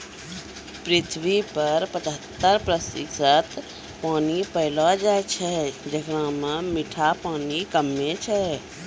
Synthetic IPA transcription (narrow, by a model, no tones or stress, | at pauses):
pɾit̪ʰʋipəɾpət͡ʃɦət̪ːəɾpɾəsḭsət̪ | paːnipəɪlɔd͡ʒajt͡ʃʰɛd͡ʒəkɾãmemiʈʰapaːnikəmːet͡ʃʰɛ